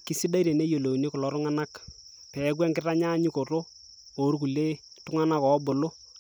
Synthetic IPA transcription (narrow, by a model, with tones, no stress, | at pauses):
ki˦si˦da˦iɾe˨ne˦jo˨lo˨i˨ni˦kʊ˨lɔ˨ɾʊ˦ŋa˦na˦k | pɛ˨˦k̬wɛ˦ŋkɪ˦ra˦ɲa˦ɲɪ˦ko˨ɾo˦ | o˨˦ɾku˨le˦ | tʊ˦ŋa˦na˦kɔ˨˦bʊ˨lo˦